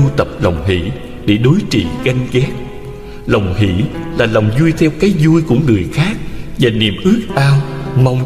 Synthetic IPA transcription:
u˧t̪ə˨˩p̚lə˨˩wŋ͡mɦḭ˧˥˨ | ɗe˧˩ɗo˨˦jt͡ɕḭ˧˨ɣa˧jŋ̟ɣɛ˦˥k̚ | lə˨˩wŋ͡mɦḭ˧˨laː˨˩la˨˩wŋ͡mzu˧jt̪ʰɛ˧wkaː˨˦jzu˧jku˧˩əŋɨ˨˩əjxaː˦˥k̚vaː˨˩nḭ˨˩əmʔɨ˦˥ək̚ʔaː˧wma˧wŋ͡m

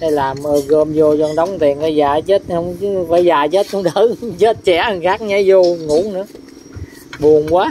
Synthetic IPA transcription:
na˧laː˨˩mʔəː˨˩ɣəː˧mzo˧˩zɔ˧˩nɗə˨˦wŋ͡mt̪i˨˩ənəː˨˧˦jzaː˨˩t͡ɕə˦˥t̚hə˧wŋ͡mvəː˨˦jzaː˨˩t͡ɕə˦˥t̚hə˧wŋ͡mɗəː˨˦t͡ɕəː˦˥t̚t͡ɕɛ̰˧˩˨xaː˦˥k̚ɲa˨˦jzo˧ŋṵ˧˦əŋnɨ̰˧˦ə | ɓu˨˩ənkwaː˨˦

